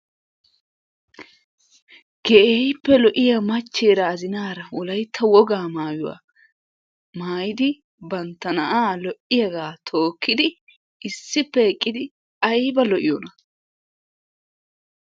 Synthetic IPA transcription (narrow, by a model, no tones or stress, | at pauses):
ɡ̥eʔejpːɛlɔʔɪjɐmɐt͡ʃːe̞ːɾɐːzɪnaːɾɐwɔlɐjt̪ʰːɐwɔɡaːmaːjʊwa̰ː | maːjɪd̪ɪ | bɐnt̪ːɐnɐʔaːlɔʔɪjɐɡaːt̪ʰo̞ːkːɪd̪ɪ | ɪsːɪpːɛːkʼːɪd̪ɪ | ɐjbɐlɔʔɪjɔnɐ